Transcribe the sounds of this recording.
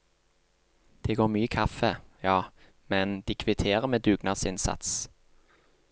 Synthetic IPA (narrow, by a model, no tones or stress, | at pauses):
d̪̥eːɡoːʁmyːəkʰɑfəjɑː | mɛnd̪iːkʰʋɪt̪ʰeːʁəmeːd̪ʉːɡnɑsɪnsɑ̰t̪s